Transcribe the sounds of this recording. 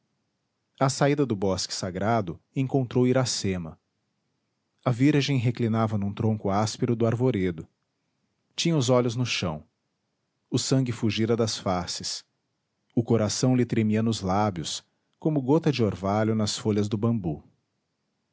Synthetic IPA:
ɐsaid̪ɐd̪ʊbɔskɪ̥saɡɾad̪ʊ | ẽŋkõnt̪ɾowiɾasẽmɐ | ɐviɾʒẽj̃ɦeklinavɐnũt̪ɾõŋkʊaspeɾʊd̪ʊaɾvoɾed̪ʊ | t͡ʃĩɲɐʊzɔʎʊznʊʃɐ̰̃w̃ | ʊsɐ̃ŋɡɪfuʒiɾɐd̪ɐsfasɪs | ʊkoɾasɐ̃w̃lɪt̪ɾemiɐnʊzlabjʊs | kõmʊɡot̪ɐd͡ʒɪoɾvaʎʊnɐsfoʎɐzd̪ʊbɐ̃mbu

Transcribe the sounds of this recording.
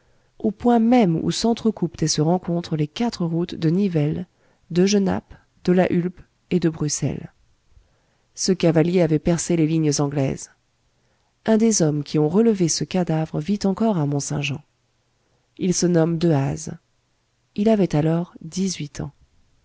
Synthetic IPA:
opwɛ̃mɛmṵsɑ̃t̪χəkupt̪ɛsəʁɑ̃kɔ̃t̪χəlekat̪χəʁut̪d̪ənivɛl | d̪əʒəna̰p | d̪̥əlaʔylp | ed̪əbʁysɛ̰l | səkavaljeavɛpɛʁseleliɲzɑ̃ɡlɛ̰z | ɛ̃d̪ezɔmkʲiɔ̃ʁələvesəkad̪avʁəvit̪ɑ̃kɔʁamɔ̃sɛ̃ʒɑ̃ | ilsənɔmd̪əaz | ilavɛt̪alɔʁd̪izɥit̪ʰɑ̰̃

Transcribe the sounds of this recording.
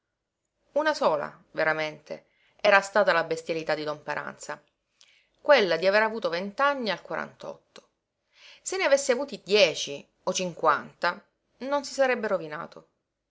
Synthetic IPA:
unasoːla̰ | veɾament̪ʰḛ | ɛːɾast̪aːt̪alabest̪jalit̪ad̪id̪ɔmpaɾʔa̰nt̪sa | kwelːad̪iaveɾavuːt̪ovent̪anːialkwaɾa̰nt̪ɔ̰t̪ːo̥ | senːeavesːeavuːt̪id̪jɛːt͡ʃi | ot͡ʃiŋkwant̪a | nonsi̥saɾɛbːeɾovina̰ːt̪o

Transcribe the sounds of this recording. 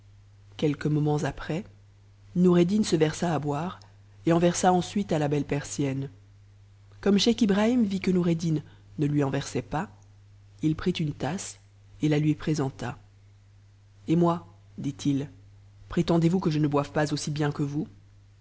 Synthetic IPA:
kʲɛlkəmɔmɑ̃zapχɛ | nuʁed̪insəvɛʁsaːbwaːʁ | eɑ̃vɛʁsaɑ̃sɥit̪alabɛlpɛʁsjɛn | kɔmʃakibʁaimvikənuʁed̪inː | əlɥiɑ̃vɛʁsɛpa | ilpχit̪ynt̪as | elalɥipχezɑ̃t̪a | emwa | d̪it̪ʰil | pχet̪ɑ̃d̪evukəʒənəbwavpazosibjɛ̃kəvu

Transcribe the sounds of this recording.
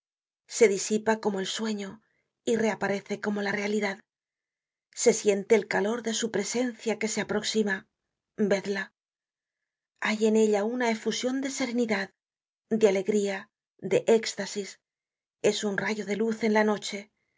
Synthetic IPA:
se̞ðisipako̞mo̞e̞lswe̞ɲo̞ | ire̞apaɾe̞θe̞ko̞mo̞lare̞aliðað | se̞sje̞nt̪e̞ːlkalo̞ɾðe̞supɾe̞se̞n̟θjake̞se̞apɾo̞ksima | be̞ðla | aje̞ne̞ʎaunae̞fusjo̞nd̪e̞se̞ɾe̞niðað | d̪eale̞ɣɾia | d̪e̞ʔe̞kst̪asis | e̞sunraʝo̞ðe̞luθe̞nlano̞t͡ʃe̞

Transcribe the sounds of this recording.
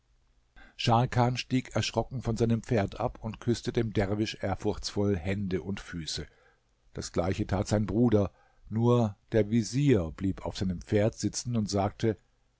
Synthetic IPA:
ʃalkʰaːnʃtiːkɛɐʃʁ̥ɔkŋ̩fɔnzaɪnəmp͡feːɐtʔapʊntkʰʏstədeːmdɛʁvɪʃʔeːɐfʊɐçt͡sfɔlhɛndəʔʊntfyːsə | d̥asɡ̥laɪçətʰaːtz̥aɪnbʁuːdɐ | nuːɐd̥eːɐviziːɐb̥liːpʰaʊfz̥aɪnəmpp͡feːɐtz̥ɪt͡sn̩ʊntz̥aːk̚tʰə

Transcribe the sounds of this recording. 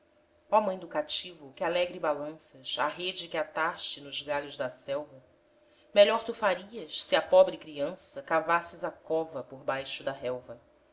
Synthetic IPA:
ɔmɐ̃j̃d̪ukat͡ʃivʊkɪalɛɡɾibalɐ̃sɐʃa̰ɦed͡ʒɪkɪat̪aʃt͡ʃɪnʊʒɡaʎʊʒd̪ɐsɛwvɐ | meʎɔɾt̪ufaɾiɐʃsɪɐpɔbɾɪkɾiɐ̃sɐkavasɪzakɔvɐpoɾbajʃʊd̪ɐɦɛwvɐ

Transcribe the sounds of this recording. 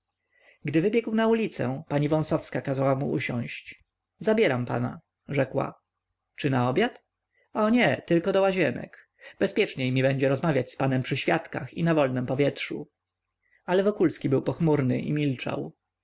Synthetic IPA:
ɡd̪ɘvɘbʲjɛɡwnaulʲit̪sɛ̰paɲivɔ̃w̃sɔfskakazawamṵʔuɕɔ̰̃w̃ɕt͡ɕ | zabʲjɛɾampa̰na̰ | ʐɛkwa̰ | t͡ʂɘnaɔbʲjat̪ | ɔɲɛt̪ɘlkɔd̪ɔwaʑɛnɛ̰k | b̥ɛspʲjɛt͡ʂɲejmʲibɛɲd͡ʑɛɾɔzmavʲjat͡ɕspanɛmpʂɘɕfʲjat̪kaxḭnavɔlnɛmpɔvʲjɛtʂṵ | alɛvɔkulskʲibɘwpɔxmuɾnɘ̰ʔḭmʲilt͡ʂa̰w

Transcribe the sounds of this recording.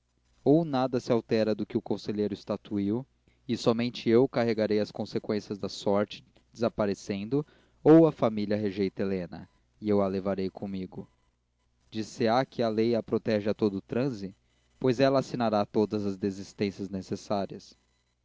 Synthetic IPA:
ownad̪ɐsɪawt̪ɛɾɐd̪ʊkɪʊkõseʎejɾʊɪst̪at̪uiw | ɪsɔmẽnt͡ʃɪewkaɦeɡaɾejɐskõsekwẽsjɐzd̪ɐsɔɾt͡ʃɪ̥ | d͡ʒɪzapaɾesẽnd̪ʊ | owɐfamiliɐɦeʒejt̪elẽnɐ̰ | ɪewalevaɾejkʰõmiɡʊ | d͡ʒiseakʰɪɐlejapɾot̪ɛʒɪat̪od̪ʊt̪ɾɐ̃zɪ | pojzɛlɐasinaɾat̪od̪ɐzɐzd̪ezist̪ẽsjɐznesesaɾiɐs

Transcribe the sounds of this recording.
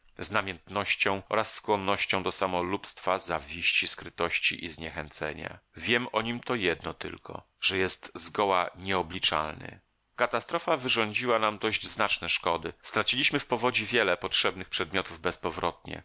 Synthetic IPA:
znamʲjɛnt̪nɔɕt͡ɕɔ̃w̃ʔɔ̰ɾasːkwɔnːɔɕt͡ɕɔ̃w̃d̪ɔsamɔlupst̪fazavʲiɕt͡ɕiskɾɘt̪ɔɕt͡ɕḭʔizɲɛxɛnt̪sɛ̰ɲa̰vʲjɛmɔɲimt̪ɔjɛd̪nɔt̪ɘ̰lkʰɔ̰ | ʐ̥ɛjɛst̪zɡɔwaɲɛɔblʲit͡ʂa̰lnɘ̰ | kat̪ast̪ɾɔfavɘʐɔɲd͡ʑiwanamd̪ɔʑd͡ʑznat͡ʂnɛʂkɔd̪ɘst̪ɾat͡ɕilʲiɕmɘfpɔvɔd͡ʑivʲjɛlɛpɔtʂɛbnɘxpʂɛd̪̚mʲjɔt̪uvbɛspɔvɾɔt̪̚ɲɛ̰

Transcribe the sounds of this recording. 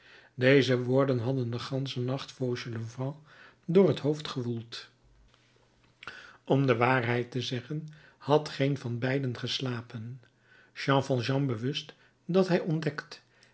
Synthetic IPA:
dejzəʋʊːɹdənɦɑdəndəχɑnsənɑχtfoːɹʒələvɑ̃ | dʊːrɦətɦowftχəʋulˠt | ɔmdəʋaːɹɦɛjtəzɛχən | hɑtχejnvɑnbɛjdənχəslaːpən | ʃɑ̃fɑlˠʒɑ̃bəʋɵst | dɑtɦɛjɔndɛkt

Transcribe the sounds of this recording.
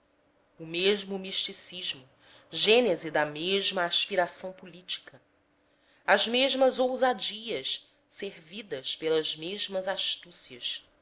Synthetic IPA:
ʊmeʒmʊmiʃt͡ʃisiʒmʊ | ʒẽnezid̪ɐmeʒmɐaʃpiɾasɐ̃w̃pulit͡ʃi̥kʰɐ | ɐzmeʒmɐzowzad͡ʒiɐʃ | seɾvid̪ɐʃpelɐʒmeʒmɐzaʃt̪usiɐʃ

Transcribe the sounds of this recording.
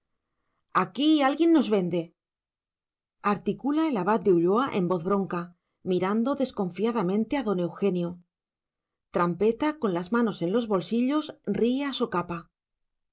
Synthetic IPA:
akialɣje̞nːo̞zβe̞nd̪e̞ | aɾt̪ikulae̞laβ̞at̪̚d̪euʎo̞aʔe̞mbo̞θβɾo̞ŋka | miɾand̪o̞ðe̞sko̞ɱfiaðamẽ̞nt̪e̞aðo̞ne̞wxe̞njo | t̪ɾampe̞t̪ako̞nlazmano̞se̞nlo̞zβo̞lsiʎo̞sriasukapa

